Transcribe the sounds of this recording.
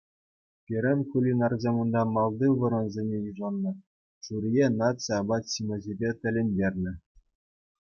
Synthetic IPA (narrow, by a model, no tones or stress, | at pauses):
pʲiɾʲɘnʲkulʲinɑrzʲemund̪ɑmɑlˠd̪ɯʋɤ̆ɾɤ̆nzʲenʲejiʐɑnːɤ̆ | ʂuɾʲijenɑt̪sɑbɑt̪ɕimʲɘ̆ʑibʲet̪ʲɘ̆lʲenʲdʲerʲnʲɘ̆